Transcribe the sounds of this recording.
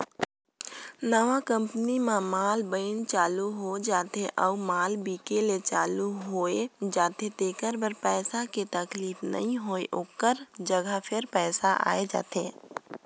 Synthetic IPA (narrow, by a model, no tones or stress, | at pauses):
nəʋakə̃mpənimamaːlbəɪnt͡ʃaːluɦod͡ʒaːt̪eʔɔːumaːlbiːkelet͡ʃaːluɦoːed͡ʒaːt̪et̪eːkəɾbəɾpɛːsaket̪ɐkliːfnə̰ɦĩɦoːeʔoːkəɾd͡ʒəɡʱapʰɪɾpɛːsaʔa̰ːed͡ʒa̰ːt̪eː